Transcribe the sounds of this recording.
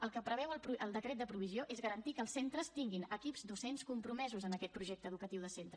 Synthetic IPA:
əlˠkəpɾəβɛwəlˠpɾuʔəlˠd̪əkɾɛt̪d̪əpɾuβ̞izioʔezɣəɾənt̪ikəːlˠsent̪ɾəst̪iŋɡinəkipzd̪usenskumpɾumɛzuzənəkɛt̪̚pɾuʒɛk̚t̪əðukət̪iwðəsent̪ɾə

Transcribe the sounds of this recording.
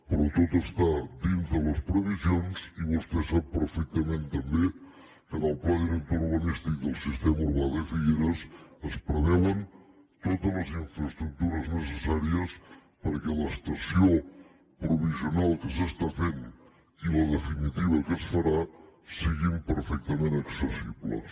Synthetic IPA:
pəɾɔt̪ot̪əst̪ad̪inzələspɾəβ̞izjonziβust̪ɛsap̚ːəɾfɛk̚t̪əmẽnt̪əmbe | kənəlˠplaɣɾent̪uɾβənist̪ik̚d̪əlˠsist̪eməuɾβaðəfiʎeɾəsəspɾəβɛwən | t̪ot̪əzləziɱfɾəst̪ɾuk̚t̪uɾəznəsəsaɾiəs | pəɾkələst̪əsio | pɾuβ̞iziunalˠkəs̬əst̪afen | iləðəfinit̪iβ̞əkəsfəɾasiɣimpəɾfɛk̚t̪əmenəksəsiβlə̰s

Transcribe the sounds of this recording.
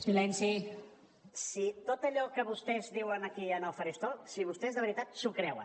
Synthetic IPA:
silɛnsi | sit̪ot̪əʎɔkəβust̪ɛzðiwənəkiənəlˠfəɾest̪osiβ̞ust̪ɛzðəβəɾit̪at̪sukɾɛwə̰

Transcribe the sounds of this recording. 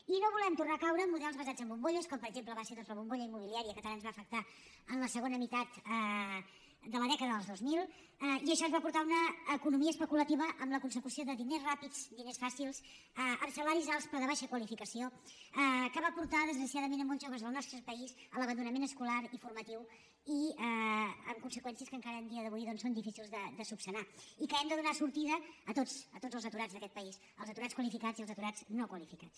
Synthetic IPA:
inoβ̞ulɛmt̪urnakawɾəmuðɛlˠzβəzad͡zəmbumboʎəskɔmpəɾəɡʒempləβaseɾðɔzəβumboʎəimːuβ̞iliaɾiəkət̪əlanzβaəfək̚t̪a | ənləsəɣonəmit̪at̪ə | d̪ələðɛkəðəðəlˠzðozmilˠ | iəʃɔzβapuɾt̪aunəːkunumiəspəkulət̪iβəʔəmləkunsəkusioðəðinezrapid͡zd̪inesfasilˠz | əmsəlaɾizalˠspəɾðəβaʃəkwəlifikəsioəkəβapuɾt̪aðəzɣɾəsiaðəmenəmõnʒoβ̞əzðəlˠnɔst̪ɾəpəizələβənd̪unəmenəskulaɾifuɾmət̪iw | iəəmkunsəkwɛnsiəskəŋkaɾəːnd̪iəðəβujðɔnsond̪ifisilˠzðəd̪əsupsənaikəɛmd̪əðunasuɾt̪iðəːt̪ot͡sət̪od͡zəlˠzət̪uɾad͡zðəkɛt̪̚pəis | əlˠzət̪uɾaskwəlifikad͡zziəlˠzət̪uɾaznokwəlifikat͡s

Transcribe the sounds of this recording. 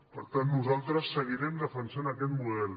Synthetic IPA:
pəɾt̪anːuzalˠt̪ɾəsːəɣ̞iɾɛmd̪əfənsanəkɛt̪muðɛl

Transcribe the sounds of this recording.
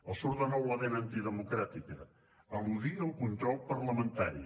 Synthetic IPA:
əsuɾðənɔwlaðenant̪iðəmukɾat̪ikə | əluðiəlˠkunt̪ɾɔlˠpɐɾləmə̃nt̪aɾi

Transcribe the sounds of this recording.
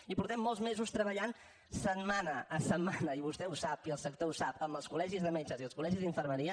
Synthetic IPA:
ipuɾt̪ɛmːɔlˠzmezust̪ɾəβəʎan | sət̪manəːsəmːanəiβust̪ɛusapiəlˠsək̚t̪ousapəmbəlˠskulɛʒizðəmɛt͡ʃəziəlˠskulɛʒizðiɱfərməɾiə

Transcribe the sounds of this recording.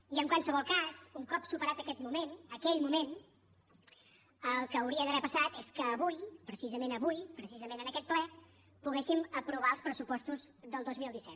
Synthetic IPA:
iəŋkwansəβɔlˠkazuŋkɔpsupəɾat̪əkɛt̪mumenəkɛʎmumen | əlˠkəːwɾiəðəβɛpəsat̪eskəːβujpɾəsizəmẽnəβujpɾəsizəmẽnənəkɛt̪̚plɛ | puɣesiməpɾuβ̞aəlˠspɾəsupɔst̪uzðəlˠd̪ozmilˠd̪isɛt̪

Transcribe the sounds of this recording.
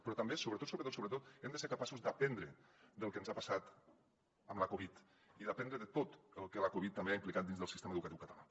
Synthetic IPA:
pɾɔt̪ambesoβɾət̪ot̪soβɾət̪ot̪soɾət̪̬ot̪ɛmd̪əseɾkapasuzd̪əpɛnd̪ɾəd̪əlˠkənzapasat̪ | əmləkoβit̪ | iðəpɛnd̪ɾəðət̪ot̪əlˠkələkoβit̪ːəmbeaimplikat̪̚inzðəlˠsist̪eməðukət̪iwkət̪ala

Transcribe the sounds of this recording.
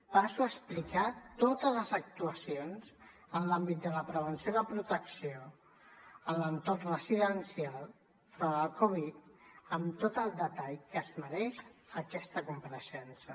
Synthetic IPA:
pasuəsplikat̪ot̪əzləzək̚t̪uəsionz | ənlambit̪̚d̪ələpɾəβ̞ənsjoðəpɾut̪əksio | ələnt̪orrəziðənsialˠ | fɾəːlkoβit̪əmt̪ot̪əlˠd̪ət̪aʎkəzməɾɛʃəkɛst̪əkumpəɾəsɛnsə

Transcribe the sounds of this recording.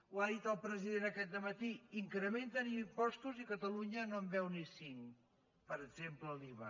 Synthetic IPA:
waðit̪əlˠpɾəziðenəkɛt̪̚d̪əmət̪iiŋkɾəment̪ənimpɔst̪uzikət̪əluɲənombɛwnisiŋ | pəɾəɡzempləliβə

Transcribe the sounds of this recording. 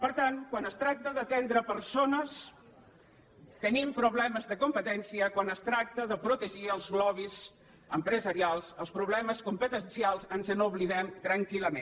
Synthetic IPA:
pəɾt̪aŋkwanəst̪ɾak̚t̪əðət̪ɛnd̪ɾəpəɾsonəs | t̪ənimpɾuβlɛməzðəkumpət̪ɛnsiəkwanəst̪ɾak̚t̪əðəpɾut̪əʒiəlˠzɣlɔβ̞iz | əmpɾəzəɾialˠzəlˠspɾuβlɛməskumpət̪ənsialˠzənzənuβliðɛmt̪ɾəŋkiləme

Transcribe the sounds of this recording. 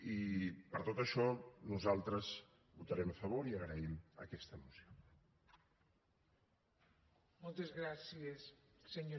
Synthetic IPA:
ipəɾt̪ot̪əʃɔnuzalˠt̪ɾəz | βut̪əɾɛməfəβ̞oɾiəɣɾəimə̰kɛst̪əːmusio | molˠt̪ezɣɾasiesseɲo

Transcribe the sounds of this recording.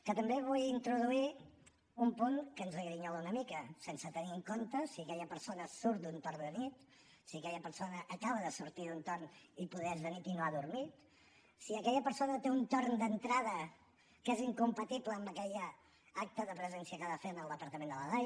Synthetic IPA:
kət̪əmbeβ̞ujint̪ɾuðui | umpuŋkənzəɣɾiɲounəmikəsensət̪əniəŋkont̪əsiəkɛʎəpəɾsonəsuɾt̪̚d̪unt̪oɾnd̪ənit̪ | siəkɛʎəpəɾsonəʔːkaβəðəsuɾt̪iðunt̪oɾnipuðɛɛzβənit̪inoaðuɾmit̪ | siəkɛʎəpəɾsonət̪eunt̪oɾnd̪ənt̪ɾað̞ə | keziŋkumpət̪ipləːmbəkɛʎə | ak̚t̪əðəpɾəzɛnsiəkəðafenəlˠd̪əpəɾt̪əmẽnd̪ələðaj

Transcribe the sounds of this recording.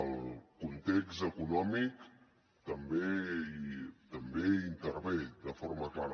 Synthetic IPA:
əlˠkunt̪eksəkunɔmik | t̪əmbe | t̪əmbeint̪əɾβed̪əfɔɾməklaɾə

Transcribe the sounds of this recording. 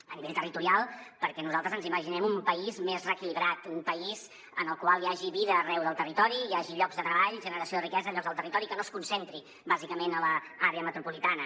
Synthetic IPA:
əniβeʎʲt̪ərit̪uɾialˠpəɾkɛnuzalˠt̪ɾəzənziməʒinɛmumpəizmezrəkiliβɾat̪mpəiz̥ | ənəlˠkwalˠjaʒiβiðəːrɛwðəlˠt̪ərit̪ɔɾijaʒiʎɔɡzðət̪ɾəβaʎʒənəɾəsioðrikɛzəʎɔɡzðəlˠt̪ərit̪ɔɾikənoskunsent̪ɾi | bazikəmenələ | aɾeəmət̪ɾupulit̪anə

